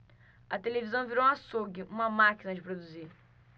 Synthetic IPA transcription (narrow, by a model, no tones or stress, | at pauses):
ɐt̪elevizɐ̃w̃viɾow̃asoɡɪʔũmɐmakinɐd͡ʒɪpɾod̪uzi